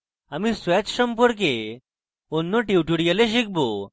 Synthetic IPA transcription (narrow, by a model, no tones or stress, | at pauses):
amisʋɛt͡sɕəmpəɾk̬e | onːɔʈiuʈuɽijəleɕ̬ik̚bo